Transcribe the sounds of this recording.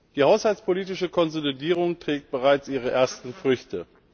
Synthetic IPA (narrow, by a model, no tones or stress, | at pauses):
d̥iːhaʊshalt͡sspʰoliːtɪʃəkʰɔnzolidiːʁʊŋtʁ̥ɛːk̚t̚b̥əʁaɪt͡sʔiːʁ̞əʔeːɐstn̩fʁ̥ʏçtʰə